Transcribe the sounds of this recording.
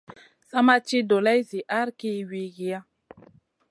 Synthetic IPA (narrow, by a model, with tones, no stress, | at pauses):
sa˦ma˦t͡ʃi˦do˨la˦jzi˨ʔa˦ɾki˦wi˨ɡi˨ja˦